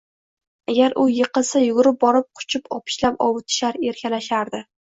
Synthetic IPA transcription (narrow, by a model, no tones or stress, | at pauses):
aɡʲaɾʔʊjɨqɨlˠsajʊɡʊɾɪp̚bɒɾɪp̚qʰʊ̥t͡ʃʰɪpʰɒ̰pʰɪ̥ʃlapɒwt̪ʰɪ̥ʃaɾe̞ɾkʲʰalaʃaɾd̪ɪ